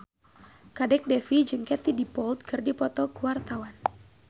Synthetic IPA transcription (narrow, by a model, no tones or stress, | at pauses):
kadɛk̚dɛfid͡ʒɨŋkɛt̪idipɔlt̪̚kɨrdipɔt̪ɔkəwart̪awan